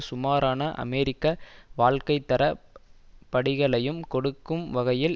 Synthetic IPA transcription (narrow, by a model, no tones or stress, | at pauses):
sʊmaːɾaːnɐʔɐ̰mɛːɾɪkːɐʋaːɭkɐɪt̪ːɐɾɐ | pɐɽɪɣɐɭɐjɯmkɔɽɯkːɯmʋɐɣɐjɪl